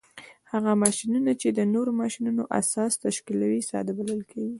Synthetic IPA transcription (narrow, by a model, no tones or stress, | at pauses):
haɣamɑʃinunat͡ʃed̪ənoɾomɑʃinunoʔa̰sɑst̪aʃkilawisɑ̰d̪abaləlkʰeɡi